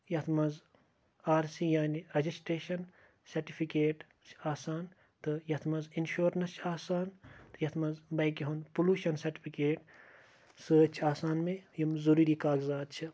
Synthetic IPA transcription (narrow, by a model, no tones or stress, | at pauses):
jɐt̪ʰmɐz | aːɾsijaːniɾɐd͡ʒisʈɾeːʃɐn | sɐɾʈipʰikeːʈ | t͡ʃʰaːsaːn | t̪ɨjɐt̪ʰmɐzinʃoːɾnɐst͡ʃʰaːsaːnt̪ɨjɐt̪ʰmɐzbɐjkiɦond̪puluːʃɐnsɐɾʈi̥pʰikeːʈ | sɨt͡ʃʰiaːsaːnmẽjɐmzuɾuɾikaːɡzaːd̪̚t͡ʃʰi